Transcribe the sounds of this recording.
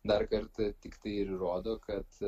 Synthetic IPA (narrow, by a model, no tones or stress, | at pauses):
d̪ɐrkɐɾt̪ɐt̪ʲɪkt̪ɐɪɪɾɾoːd̪oːkɐt̪